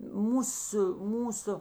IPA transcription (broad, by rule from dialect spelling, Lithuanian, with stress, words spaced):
ˈmuːsʊ ˈmuːsʊ